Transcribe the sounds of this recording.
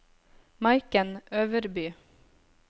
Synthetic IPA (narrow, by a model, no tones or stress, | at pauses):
mɑɪkənøːʋəɾbyː